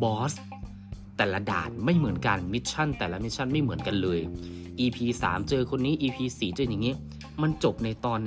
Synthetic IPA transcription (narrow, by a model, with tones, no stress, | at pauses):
bɔː˦˥s | t̪ɛː˨˩la˦˥da̰ː˨˩t̪̚ma˥˩jmɯ˩˦ənka˧nmi˦˥t̪̚t͡ɕʰa˥˩nt̪ɛː˨˩la˦˥mi˦˥t̪̚t͡ɕʰa˥˩nma˥˩jmɯ˩˦ənka˧nlɤː˧j | ʔiː˧pʰiː˧sa̰ː˩˦mt͡ɕɤː˧kʰo˧nːiː˦˥ʔiː˧pʰiː˧siː˨˩t͡ɕɤː˧ɲa˨˩ŋːiː˦˥ | ma˧nt͡ɕo˨˩p̚na˧jt̪ɔː˧nː